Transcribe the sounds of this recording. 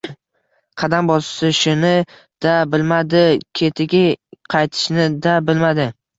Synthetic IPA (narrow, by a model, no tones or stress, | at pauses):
qʰɑd̪ambɒssɪʃʊnɪ | d̪̥abɪlmad̪ɪkʲʰe̞t̪ʰɪɡʲɪqʰɑjt̪ʰɪ̥ʃnɪd̪abɪlmad̪ɪ